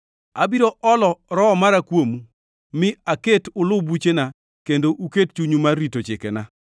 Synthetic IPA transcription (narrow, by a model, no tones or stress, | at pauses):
abiɾoʔɔlɔɾɔɔmaɾakwomu | mɪaketʊlʊbut͡ʃena | kendoʔuket̚t͡ʃuɲumarːitot͡ʃɪkɛna